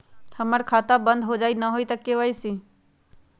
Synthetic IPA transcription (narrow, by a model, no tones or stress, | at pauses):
həməɾkʰaːt̪abə̃nd̪ɦod͡ʒaːinaɦoit̪əkːeʋaːisi